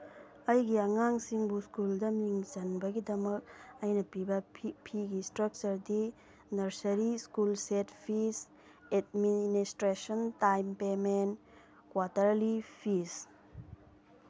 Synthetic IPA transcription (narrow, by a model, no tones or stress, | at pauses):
ɐjɡiɐŋaŋsiŋbuskuldɐmiŋd͡ʒɐnbɐɡidɐmɐk̚ɐjnɐpibɐpʰiɡistɾɐk̚t͡ʃɐɾdi | nɐɾsɐɾiskulsetpʰis | edministɾesɐntajmpemen | kwatɐɾlipʰis